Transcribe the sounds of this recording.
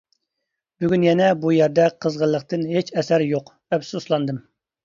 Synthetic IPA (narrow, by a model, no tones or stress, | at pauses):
b̥yɡʲynjɛnɛbujæɾd̪ɛqʰːəzʁəlˠːəq̚t̪ɨnɦet͡ʃɛsæɾjoq | ɛpsuslˠɑnd̪ɨm